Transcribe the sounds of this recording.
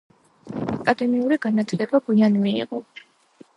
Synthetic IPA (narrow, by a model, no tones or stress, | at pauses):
akʼad̪ɛmiuɾiɡanat̪ʰlɛbaɡuianmḭːqʼɔ